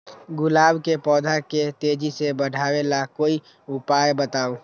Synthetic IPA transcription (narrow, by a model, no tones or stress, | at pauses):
ɡʊlaːbkepɔːd̪ʱaket̪ed͡ʒisebəɖʱaːwelakoːi | ʊpaːjbət̪aːo